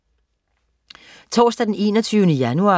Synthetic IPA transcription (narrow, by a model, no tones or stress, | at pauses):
t͡sʰɒ̰ːsd̥æd̥ene̝̰ːnɒt͡sʰyːʊnəjænuɑ̈